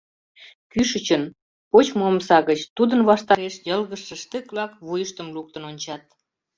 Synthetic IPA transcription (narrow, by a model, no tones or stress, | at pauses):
kyʃət͡ɕən | pot͡ɕmomsɑɣət͡ɕt̪ud̪ənβɑʃt̪ɑɾeʃjəlɣəʃə̆ʃt̪əkβlɑkβujəʃt̪əmluk̚t̪ənonʲt͡ɕɑt̪̚